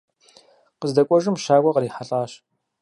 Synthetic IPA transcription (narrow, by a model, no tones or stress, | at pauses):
qəzdɐkʷʼɔʒɨmʃaːɡʷɐqəɾiːħaɬʼaːɕ